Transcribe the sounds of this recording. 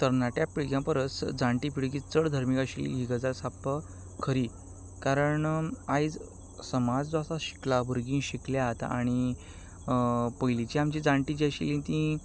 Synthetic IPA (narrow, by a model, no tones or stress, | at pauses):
t̪əɾnaʈjapiɭɡjãpəɾət͡sd͡zãɳʈipiɭɡĩt͡səɽd̪ʱəɾmikaɕilḭɦiɡəd͡zaɾsapə | kʰəɾiː | kaɾəɳajd͡z | səmad͡zd̪asaɕi̥klabʱuɾɡĩnɕikljaɦt̪a̰ɽ̃i | pəjlit͡ɕiamt͡ɕid͡zãɳʈid͡ʑiaɕḭlĩnt̪ĩ